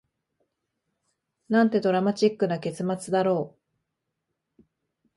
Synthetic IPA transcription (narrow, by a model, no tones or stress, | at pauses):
nãnt̪e̞d̪o̞ɾamat͡ɕikːɯ̟nake̞t͡sɨmat͡sɨd̪aɾo̞ː